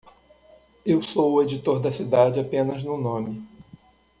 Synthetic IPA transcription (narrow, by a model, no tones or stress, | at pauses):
ewsowʊed͡ʒit̪oɾd̪ɐsid̪ad͡ʒɪapẽnɐznʊnõmɪ